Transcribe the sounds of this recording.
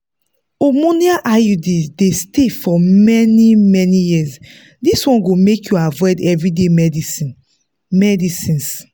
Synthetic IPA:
omoniaʔajudidestefɔmɛnimɛnijis | diswɔ̃nɡomekjuavɔdɛvɹidemɛdii | mɛdisĩns

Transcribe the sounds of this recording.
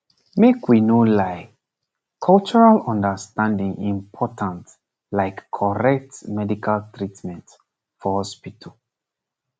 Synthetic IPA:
mekwinolaɪ | kʰɔlt͡ʃɔɹalɔ̃ndəstãndĩŋĩmpʰɔtʰãnt | laɪkʰːɔɹɛk̚tmɛdikʰaltɹitmɛ̃nt | fɔhɔspitʰəl

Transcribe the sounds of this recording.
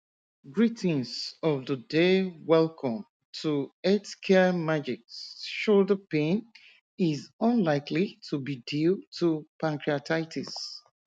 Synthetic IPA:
ɡɹitĩnzɔvðədewɛlkʰɔ̃m | tʰuɛtkʰɛmad͡ʒiksʃodəpẽn | izə̃nlaɪklitʰubidiltʰupʰãnkɹiatʰaɪtʰis

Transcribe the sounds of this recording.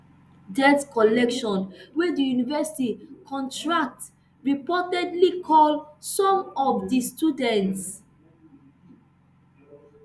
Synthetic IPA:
dɛtkɔlɛkʃɔ̃nwedijunivɛsi̥tikʰɔ̃ntɹak̚t | ɹipɔtɛdlikʰɔlsɔ̃mɔvdistudɛ̃nts

